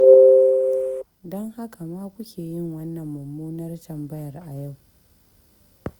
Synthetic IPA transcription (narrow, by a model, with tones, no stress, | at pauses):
dɔ˦ŋha˦kʰa˨maː˦kʷʊ˦kʲʰeː˨jɪ˦˨ŋwɐ˦nːɐ˨mːʊ˨mːuː˦nɐ˦rtɐ˨mbɐ˦jɐ˨rʔa˨ja˦˨w